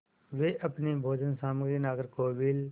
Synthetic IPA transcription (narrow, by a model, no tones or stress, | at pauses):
ʋeʔɐpnibʱoːd͡ʒənsaːməɡɾinaːɡəɾkoːʋil